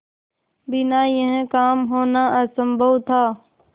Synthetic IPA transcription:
bɪnajə̃ɦẽkaːmɦoːnaəsəmbʱəwt̪ʰaː

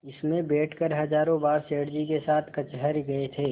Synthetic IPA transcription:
ɪsmẽbeːʈʰkəɾɦɐd͡ʒaːɾõbaːɾseːɽd͡ʒikesaːt̪ʰkɐt͡ʃɦəɾɡɐet̪ʰeː

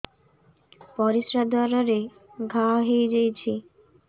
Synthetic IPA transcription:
pɔɾisɾad̪ʱɔɾaɾe | ɡʱaɦejd͡ʑejt͡ɕʰi

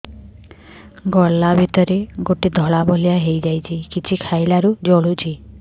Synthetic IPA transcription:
ɡɔlːabʱit̪ɔɾeɡoʈid̪ʱɔɭabʱɔljaɦejd͡ʒajt͡ʃʰikit͡ʃʰikʰajlaɾud͡ʒɔɭut͡ʃʰi

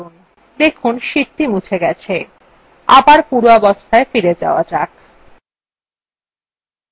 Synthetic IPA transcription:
un | d̪ekʰunʃiɾʈ̪imut͡ɕʰeɡɛt͡ɕʰe | abaɾpuɾoɔbost̪ʰaefiɾed͡ʑa̰oa̰d͡ʑak

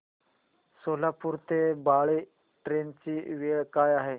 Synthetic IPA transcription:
soːlaːpʊɾt̪ebaːɭeː | ʈɾeːnt͡ʃiːʋeːɭkaːjaːɦeː

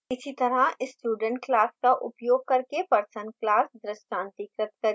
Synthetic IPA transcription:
ɪsit̪ɐɾaɪsʈuːɖə̃ɳʈklaːskaʔʊpjoːɡ̚kɐɾkepɐɾsə̃nklaːsd̪ɾɪʃʈãːnt̪ikɾət̪kɐɾi

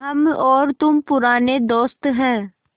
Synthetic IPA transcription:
ɦəmɔːɾt̪ʊmpʊɾaːneːd̪ɔːst̪ɦɛː

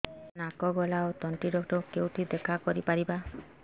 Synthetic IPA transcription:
nakɔɡɔlaot̪ɔɳʈiɖɔkʈɔkewt̪ʰid̪ekʰakɔɾipaɾiba

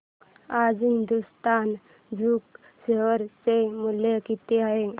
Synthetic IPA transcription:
ad͡zɦind̪ust̪an | d͡zʱuːk | seʋəɾt͡semulekit̪eaɦe

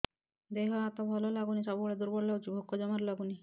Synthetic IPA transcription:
d̪eɦɔat̪ɔbʱɔlɔlaɡunisɔbɡuɭed̪uɾbɔɽlaɡut͡ʃibʱokːɔd͡ʒɔmaɾlaɡuni

